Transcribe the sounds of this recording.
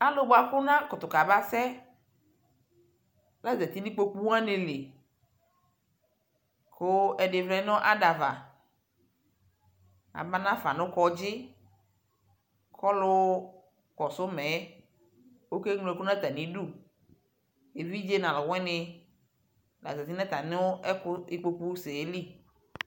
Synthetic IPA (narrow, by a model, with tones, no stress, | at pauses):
a˦lʊ˦bo˨a˨kʊ˦nã˦kʊ˨t̪ʊ˨ka˨ba˦sɛ˦ | la˦zɛ˨t̪i˦nĩ˦k͡po˦k͡pu˦wã˦ne˨le˨ | kʰo˦ɛ˨ɖɪ˨vlɛ˨˦nɔ̃˦ʔa˦ɖa˨va̰˨ | a̰˨ba˦nã˦fa˨nʊ̃˦kɔ˦d͡ʒɪ˦ | kʰɔ˦lʊ˦ | kɔ˨sʊ˦mɛ˨˦ | wo˦ke˦ŋlõ˨ɛ˨ku˦nã˦t̪a˨nĩ˨ɖu˦˨ | e˨vi˦d͡ʒe˦nã˨lɔ˨wɛ̃˦nɪ˨ | la̰˨zɛ˨t̪i˦nã˦t̪a˨nɪ˦wo˦ɛ˦kʊ˦i˦k͡po˦k͡pu˦se˨e˦li˦